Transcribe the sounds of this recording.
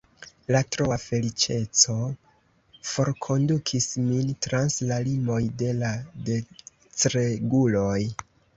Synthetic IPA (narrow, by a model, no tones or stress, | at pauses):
latɾoafe̞lit͡ʃe̞t͡so̞ | fo̞ɾkʰo̞ndukʰismintɾanslalimo̞jde̞lade̞ | t͡sɾeɡulo̞j